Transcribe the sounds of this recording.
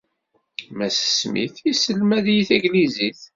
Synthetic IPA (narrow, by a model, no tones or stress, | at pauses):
mæsə̥smḭθisəlmæðjiθiɡliziθ